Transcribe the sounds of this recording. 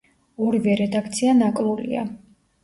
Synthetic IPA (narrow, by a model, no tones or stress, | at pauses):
ɔɾivɛɾɛd̪akʰt̪sʰianakʼlˠulḭa̰